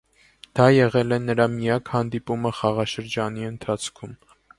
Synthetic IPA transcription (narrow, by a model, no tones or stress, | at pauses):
d̪̥ɑjɛʁɛlɛnəɾɑmijɑkhɑnd̪ipuməχɑʁɑʃəɾd͡ʒɑniənt̪ʰɑt͡sʰkʰum